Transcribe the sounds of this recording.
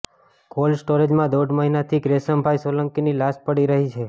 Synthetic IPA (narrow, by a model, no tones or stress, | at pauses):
kolsʈoɾed͡ʒmãd̪oɖməɦinat̪ʰiɡɾesəmbʱajsoləŋkinilaspəɽiɾəɦit͡ʃʰe